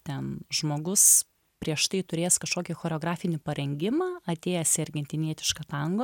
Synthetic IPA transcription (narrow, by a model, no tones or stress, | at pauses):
t̪ʲɛnʒmoːɡʊs | pʲɾʲiɛʃt̪ɐɪt̪ʊɾʲeːskɐʃkoːkʲɪxoːɾʲoːɡɾɑːfʲɪnʲɪpɐɾʲɛŋʲɡʲɪmɑːɐt̪ʲeːjɛsʲɛɾʲɡʲɛnʲt̪ʲɪnʲiɛt̪ʲɪ̥ʃkɐt̪ɐŋɡoː